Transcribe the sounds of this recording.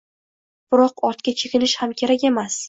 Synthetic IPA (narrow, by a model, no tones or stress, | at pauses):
b̥ɪɾɒqɒɾt̪kʲat͡ʃʰekʲɪlɪʃhamkʲʰe̞ɾakʲe̞mas